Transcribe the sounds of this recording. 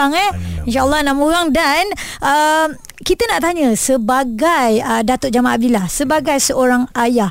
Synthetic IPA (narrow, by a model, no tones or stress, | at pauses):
aŋɛinʃaəlˠːɔnaʔmuɣaŋdanʔəm | kit̪ənaʔt̪aɲə̃səbaɡajədat̪ʊd͡ʒamaʔab̚dilahsəbaɡajsəʔoɾaŋajah